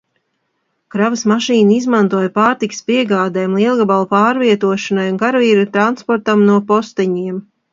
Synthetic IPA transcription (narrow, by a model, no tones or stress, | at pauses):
kɾavɐsmaʃiːnaizmant̪uɔjpaːɾt̪ikə̥spiɛɡaːd̪ɛːmlˠiɛlˠɡabalˠupaːɾviɛt̪uɔʃanajunkaɾviːɾut̪ɾanspɔɾt̪amnuɔpɔst̪ɛɲiɛm